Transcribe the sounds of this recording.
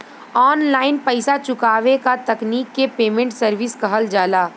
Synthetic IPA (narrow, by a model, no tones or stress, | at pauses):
ɔːnlaːɪnpɐɪsat͡ʃʊkaːʋekat̪ɐkniːkːepeːmẽɳʈsəɾʋɪskɐɦəld͡ʒaːlaː